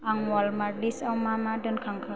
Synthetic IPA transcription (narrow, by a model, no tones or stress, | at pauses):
aŋwalmalisamamadənkʰaŋkʰa